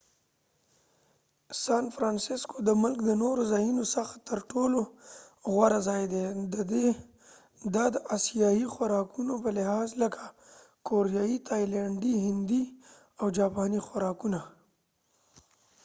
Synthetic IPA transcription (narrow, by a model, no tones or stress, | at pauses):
sɑnfɾɑnsɪskod̪əmʊlk̚d̪ənoɾozɑjunosaxt̪əɾʈoloɣwaɾazɑjd̪ed̪əd̪e | d̪ad̪əʔasijɑixwaɾɑkunopəlɪhɑzləkʰa | koɾijɑit̪ʰɑjlaɳɖiɦɪnd̪i | awd͡ʒɑpɑnixwaɾɑkuna